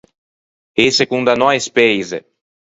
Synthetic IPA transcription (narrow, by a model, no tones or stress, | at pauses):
esekũnd̪anɔjspejze